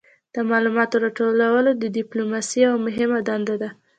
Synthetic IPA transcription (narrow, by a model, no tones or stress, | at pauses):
d̪̥əmɑlumɑt̪oɾɑʈolawəlod̪əɖɪplomɑsiawmʊɦɪmad̪and̪ad̪a